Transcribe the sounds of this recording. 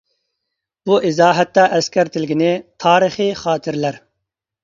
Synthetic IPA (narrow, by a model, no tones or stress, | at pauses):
boʔizɑːɦɐt̪ːaːʔɐskɐɾt̪ilɡineːt̪ʰɑːɾiχiːχɑːt̪iɾlɐɾ